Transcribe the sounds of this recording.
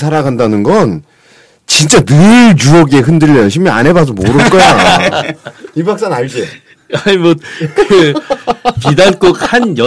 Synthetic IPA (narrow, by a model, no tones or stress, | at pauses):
sʰaɾaɡandanɯnɡʌn | t͡ɕint͡ɕ͈anɯɭt͡ɕuʌɡe̞ɦɯndɯʎːʌjoɕʰimːia̰ne̞bas̬ʰomoɾɯɭk͈ʌja | ibak̚s͈annaɭd͡ʑi | animwʌt̚kɯ | pidank͈ok̚hanjʌ